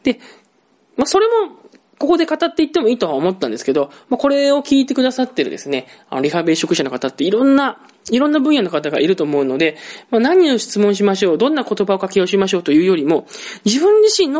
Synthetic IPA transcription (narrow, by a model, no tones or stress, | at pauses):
d̪̥e̞ | maso̞ɾe̞mo̞ | ko̞ko̞d̪e̞kat̪at̪ːe̞it̪ːe̞mo̞iːt̪o̞aomo̞t̪ːãnd̪e̞sɨ̥ke̞d̪o̞mako̞ɾe̞o̞kʲiːt̪̬e̞kɯ̟d̪asat̪ːe̞ɾɯ̟d̪e̞sɨne̞a̰no̞ɾʲiɦabe̞ɕo̞kɯ̟ɕanokat̪at̪ːe̞iɾõ̞nːa | iɾõ̞nːabɯ̟̃ɰ̃jano̞kat̪aɡa̰ʔiɾɯ̟t̪o̞ːmo̞ɯ̟no̞d̪e̞manãɲ̟io̞ɕi̥t͡sɨmõ̞ɰ̃ɕ̬imaɕo̞ːd̪õ̞nːako̞t̪o̞baokakʲijao̟ɕ̬imaɕ̬o̞ːt̪o̞jɯ̟ːjo̞ɾʲimo̞d͡ʑibɯ̟̃ɲ̟d͡ʑiɕĩnːo